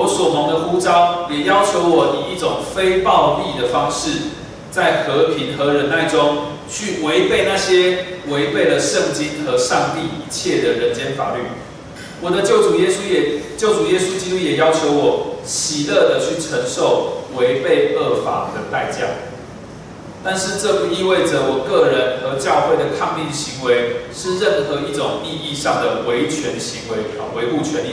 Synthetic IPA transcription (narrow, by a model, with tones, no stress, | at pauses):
jo˧˦swɔ˨˩mə˨˦ŋd̪ə˨xu˦t͡sɑ˦ʊjɛ˨˩jɑ˦˥ʊt͡ɕʰjo˧˥ʊwɔ˨˩ni˨˩i˥˩ʈ͡ʂʊ˨˩ŋfe˦ɪpɑ˥˧ʊli˥˨d̪ə˨˩fɑ˦˥ŋʂɻ̩˥˩ | t͡sa˥˩ɪxɤ˧˥pʰi˧˦nxɤ˧˦ɻə˧˥nt̪a˥˨˩ɪʈ͡ʂʊ˦ŋ | t͡ɕʰy˥˨we˧˦ɪpe˥˨ɪna˥˨˩ɕjɛ˦we˧˦ɪpe˥˩ɪlə˨ʂə˥˨ŋt͡ɕi˦˥nxɤ˧˦ʂɑ˥˧ŋt̪i˥˨i˧˥t͡ɕʰjɛ˥˩d̪ə˩ɻə˧˦nt͡ɕjɛ˦nfa̰˨˩ly˥˨ | wɔ˨˩d̪ə˦˥˨u˨ | t͡ɕjo˥˩ʊʈ͡ʂu˨˩jɛ˦˥su˥t͡ɕi˥t̪u˥jɛ˨˩jɑ˥ʊt͡ɕʰjo˧˥ʊwɔ˨˩ɕi˨˩lə˥˩d̪ə˩˨t͡ɕʰy˥˩ʈ͡ʂʰə˧˥ŋʂo˥˩ʊwe˧˦ɪpe˥˧ɪə˥˩fa̰˨˩d̪ə˧˦t̪a˥˧ɪt͡ɕjɑ̰˥˩ʊ | t̪a˥˧nʂɻ̩˥˧ʈ͡ʂɤ˥˨pu˨i˥˧we˥˩ɪʈ͡ʂə˩wɔ˨˩kɤ˥˩ɻə˧˦nxɤ˧˦t͡ɕjɑ˥˧ʊxwe˥˩ɪd̪ə˩kʰɑ˥˧ŋt̪i˥˩ɕi˧˦ŋwe˧˥ɪʂɻ̩˥˧ɻə˥˩nxɤ˧˦i˥˩ʈ͡ʂʊ˨˩ŋi˥˧i˥˧ʂɑ˥˩ŋd̪ə˩we˧˥ɪt͡ɕʰɥɛ˧˦nɕi˧˦ŋwe˧˥ɪ˨˩we˧˦ɪu˥˩t͡ɕʰɥɛ˧˦ni˥